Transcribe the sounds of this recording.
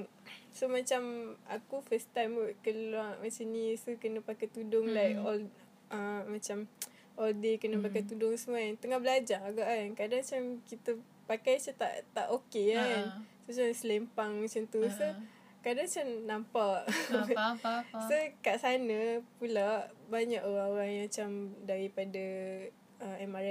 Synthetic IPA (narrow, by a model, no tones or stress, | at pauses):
somat͡ʃama̰kufəst̪ajmuʔkəluaŋmasainisəkənəpakajt̪udʊŋlaɔl | ʔamat͡ʃam | ʔɔldekənəpakajt̪udʊŋsəmuaant̪əŋahbəlad͡ʒaaɡaʔankadaŋmat͡ʃamkit̪ə | pakajsət̪a̰ʔt̪a̰ʔokekansot͡ʃansəlempaŋmat͡ʃamt̪usə | kadaŋt͡ʃaŋnampaʔ | səkaʔsanəpulaʔbaɲaʔoɾaŋoɾaŋjmat͡ʃamdaɾipada | əɛmaɾa